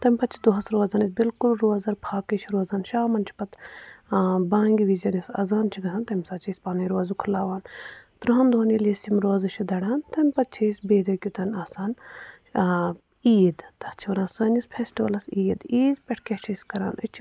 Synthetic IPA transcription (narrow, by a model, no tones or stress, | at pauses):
t̪ɐmʲpɐt̪t͡ʃʰid̪oɦɐsɾoːzaːnisbilkulɾoːzɐɾpʰaːkɐt͡ʃʰiɾoːzaːnʃaːmɐnt͡ʃʰi̥pɐt̪ | baːŋɡiʋizɐnɐsɐ̰zaːnt͡ʃʰiɡɐsaːnt̪ɐmʲsaːt͡ʃʰisʲpaːnɐjɾoːzukʰulaːʋaːnt̪ɾuɦɐnd̪ʱoːnilisimɾoːzɐt͡ʃʰid̪ɐɽaːnt̪ɐmʲpɐt̪̚t͡ʃʰisʲbeːd̪ɐkʲut̪ɐnaːsaːn | iːd̪t̪ɐt͡ʃʰiʋɐnɐːsɐːnispʰeːsʈiʋɐlɐsiːd̪iːd̪pʲɛʈʰkʲet͡ʃʰisʲkɐɾa̰ːnɨt͡ʃʰ